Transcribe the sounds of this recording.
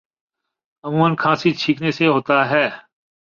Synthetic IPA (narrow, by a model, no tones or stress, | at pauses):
əmũːənkʰãːsiːt͡ʃʰiːkneːseːɦoːt̪aːɦɛː